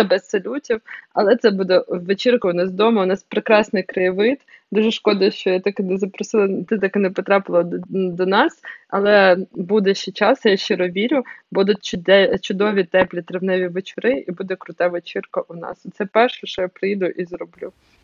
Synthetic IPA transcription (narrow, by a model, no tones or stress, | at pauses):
ɐbɛsːɐlʲutʲiwɐlˠɛt̪sɛbud̪ɛʋet͡ʃɪrkɐʊnɑsd̪ɔmɐʊnɑspɾɪkɾɑsnɪjkɾɐjɪʋɪt̪ | d̪uʒɛʃkɔd̪ɐʃt͡ʃɔjat̪ɑkɪnɛzɐpɾɔsɪlˠɐt̪ɪt̪ɑkɪnɛpɔt̪ɾɑpɪlˠɔd̪ɔnɑsɐlˠɛbud̪ɛʃɛt͡ʃɑsjaʃt͡ʃɪɾɔʋʲiɾʲʊbud̪ʊt̪ʲt͡ʃʊd̪ɛt͡ʃʊd̪ɔʋʲit̪ɛplʲit̪ɾeʋnɛʋʲiʋet͡ʃʊɾɪʔibud̪ɛkɾʊt̪ɑʋet͡ʃɪrkɐʔʊnɑ̰sɔt̪sɛpɛrʃɛʃt͡ʃɔjapɾɪjd̪ʊʔizɾɔblʲu